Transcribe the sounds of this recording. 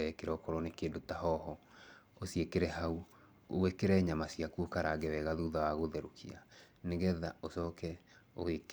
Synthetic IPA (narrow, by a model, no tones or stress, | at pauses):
ɛkeɾɛɔkɔɾɔnekeːndotahɔhɔosiekeɾɛhau | o̰wekeɾɛɲamasiakuokaɾaɡɛwɛɣaðuðawaɣoðɛɾokʰia | neɣɛða̰osɔːkɛ | oek